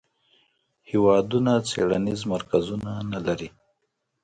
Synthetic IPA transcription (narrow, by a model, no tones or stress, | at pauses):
hɪwɑd̪unat͡seɽanizmaɾkazunanalaɾi